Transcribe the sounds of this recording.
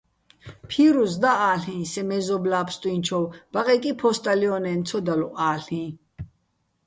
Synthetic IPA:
pʰiɾuzd̪aʔaːɬĩːsɛmɛzɔblaːpʰst̪ʼwĩnt͡ʃʰɔwb̥aqʼɛkʼipʰɔst̪ʼaliɔnɛnt̪t͡sʰɔd̪aluʔaːɬĩ

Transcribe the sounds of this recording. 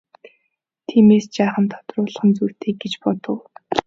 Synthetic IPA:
t̪ʰiːmeːst͡ɕaːχə̆nt̪ʰɔ̥t̪rʊːɮ̆χə̆nt͡sur̥t̪ʰeːk̚ɡɡet͡ɕpɔt̪ɞ̆w

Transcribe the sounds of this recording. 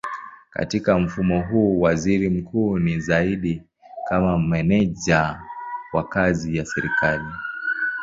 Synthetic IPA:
ka̰tikam̩fumɔɦuːwaziɾim̩kʰuːnizaiɗi | kamamɛnɛʄawakazijasɛɾikali

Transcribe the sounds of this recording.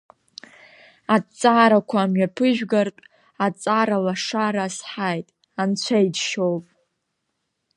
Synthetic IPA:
at͡sʼːaːɾakʷʰaːmɥapʰɨʒᶣɡartʼ | at͡sʼaɾalaʂaɾasħajtʼ | ant͡ɕʷʰajdʃowpʼ

